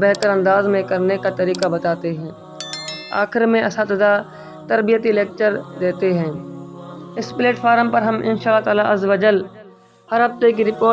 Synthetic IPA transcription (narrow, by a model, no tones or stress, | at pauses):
bɛɦt̪əɾɐ̃nd̪aːzmẽkɐɾnekat̪ɐɾiːkabɐt̪aːt̪eɦɛ̃ː | a̰ːxɪɾmẽɐsat̪əd̪a | t̪ɐɾbijət̪ileːk̚t͡ʃəɾd̪eːt̪eɦɛ̃ː | ɪspleːʈfʰaːɾmpɐɾɦɐmʔɪ̰nʃaːlːat̪aːlaʔɐzʋɐd͡ʒəl | həɾɦɐft̪ek̬iɾɪpoː